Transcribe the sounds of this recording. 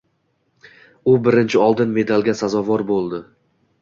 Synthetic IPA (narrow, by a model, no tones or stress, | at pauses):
ʊbɪɾɪnt͡ʃʰɪɒlˠd̪ɪnme̞d̪alˠɡʲasazɒvɒɾbolˠd̪ɪ